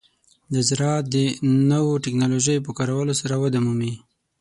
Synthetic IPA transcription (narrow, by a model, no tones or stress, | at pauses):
d̪əzɾɑt̪̚d̪ənəwoʈɪknɑloʒəjp̬əkɑɾawəlosaɾawəd̪amumi